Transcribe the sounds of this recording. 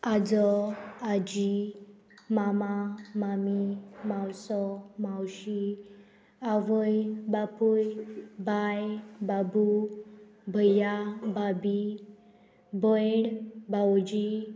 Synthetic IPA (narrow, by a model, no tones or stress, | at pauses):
ad͡zɔad͡ʑi | mamamamimawsɔmawɕi | aʋəjbapujbajbabu | bʱəjababi | bɔjɳbawd͡ʑi